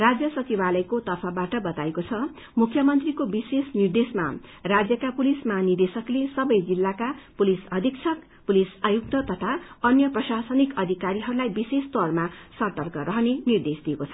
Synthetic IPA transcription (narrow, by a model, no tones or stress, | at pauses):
rad͡zjʌsʌt͡sibalʌjkot̪ʌpʰʌbaʈʌbʌt̪aekot͡sʰʌ | mukʰjʌmʌnt̪rikobisesnird̪esma̰rad͡zjʌkapulismanird̪esʌklesʌbʌjd͡zilːakapulisʌd̪ʱikt͡sʰʌk | pulisajuk̚t̪ʌt̪ʌt̪ʰaʌnjʌprʌsasʌnikʌd̪ʱikaɾiɦʌɾulajbisest̪ʌrmasʌrt̪ʌrkʌɾʌɦʌnenird̪esd̪ijekot͡sʰʌ